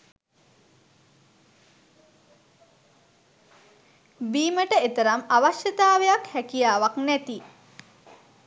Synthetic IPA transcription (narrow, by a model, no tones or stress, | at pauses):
biːməʈəet̪əɾamaʋaʃjət̪aːʋejakhækijaːʋaknæt̪i